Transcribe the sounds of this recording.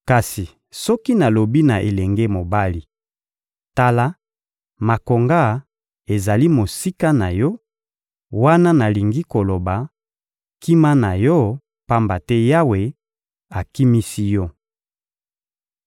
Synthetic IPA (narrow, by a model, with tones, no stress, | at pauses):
ka˨si˨ | sɔ˦ki˦na˨lo˨bi˦na˨ʔe˨lɛ˨ŋɡɛ˦mo˨ba˦li˦ | ta˦la˦ | ma˨ko˨ŋɡa˦ | e˨za˨li˦mo˨si˦ka˦na˨jɔ˦ | wa˦na˦na˨li˨ŋɡi˦ko˨lo˨ba˨ | ki˦ma˦na˨jɔ˦ | pa˦mba˨tɛ˦ja˦we˨ | a˨ki˦mi˦si˦jɔ˦